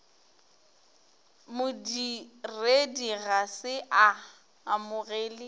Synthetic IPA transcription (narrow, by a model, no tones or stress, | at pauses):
mʊdirediɣasɪʔa | amʊɣeːlɪ